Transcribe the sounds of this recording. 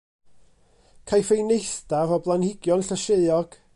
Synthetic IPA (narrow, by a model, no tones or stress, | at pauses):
kʰajfejnejθd̥avɔblˠanhɪɡjɔnɬəʃeɨɔɡ̥